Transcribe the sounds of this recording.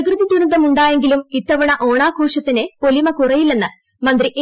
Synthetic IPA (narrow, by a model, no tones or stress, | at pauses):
ɡrɨðid̪uɾund̪ɐmuɳɖaːje̞ŋɡilumit̪ːɐʋɐɳɐʔo̞ːɳaːɡʱo̞ːʂɐt̪ːinepo̞limɐkurɐjilːenːɨ | mɐnd̪riʔ